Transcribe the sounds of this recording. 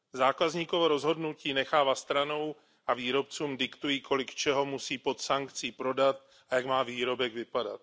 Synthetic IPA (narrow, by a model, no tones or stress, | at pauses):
zaːkazɲiːkovoɾo̞zɦo̞dnuciːnɛxaːvast̪ɾano̞w | ʔaviːɾo̞p̚t͡suːmdɪkt̪ujiːkʰo̞lɪkt͡ʃɛɦo̞musiːpo̞t̪saŋkt͡siːpɾo̞dat̪ | ajakmaːviːɾo̞bɛɡvɪpada̰t̪̚